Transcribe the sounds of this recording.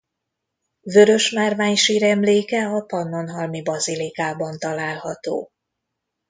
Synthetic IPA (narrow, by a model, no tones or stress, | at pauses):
vø̞ɾø̞ʃmaːrvaːɲʃiɾɛmleːkɛɒpɒnːo̞nɦɒlmibɒzilikaːbɒnt̪ɒlaːlhɒt̪o̰ː